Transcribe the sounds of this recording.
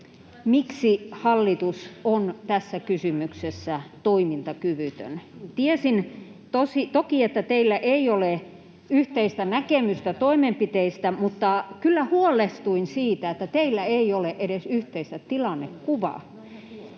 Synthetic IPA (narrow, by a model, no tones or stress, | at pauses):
miksihɑlːit̪usont̪æsːækysymyksesːæt̪oimint̪ɑkyʋyt̪ø̰nt̪iesin | t̪osit̪okiet̪ːæt̪eilːæʔeiole | yht̪eist̪ænækemyst̪æt̪oimempit̪eist̪æmut̪ːɑkylːæhuolest̪uinsiːt̪æet̪ːæt̪eilːæeioleʔeɾesyht̪eist̪æt̪ilɑnːekkuʋɑ̰